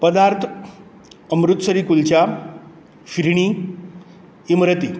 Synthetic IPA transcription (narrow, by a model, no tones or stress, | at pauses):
pəd̪aɾt̪ʰ | əmɾut̪səɾiːkult͡ɕja | ɕiɾiɳ̃i | imɾət̪i